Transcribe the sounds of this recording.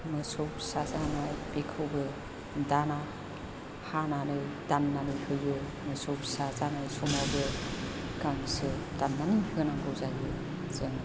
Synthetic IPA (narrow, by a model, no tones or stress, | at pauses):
mɯsopsazanajbekʰɯwbɯ | dana | hananɯjdanːanihɯjɯ | mɯsopsazanajsɔmawbɯ | ɡaŋsɯd̥anːanihɯnaŋɡɯwzaɡɯ | zɯŋ